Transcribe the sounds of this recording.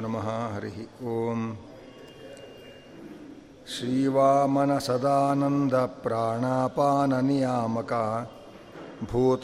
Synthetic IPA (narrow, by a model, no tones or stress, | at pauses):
nɐmɐɦaɦɐɾiɦioːm | ʃɾiːʋaːmɐnɐsɐd̪aːnɐnd̪ʱɐpɾaːɳaːpaːnɐnijaːmɐkaː | bʱuːt̪